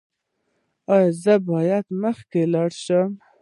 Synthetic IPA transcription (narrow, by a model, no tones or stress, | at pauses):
ɑjzəbɑjad̪məxkelɑɽʃəm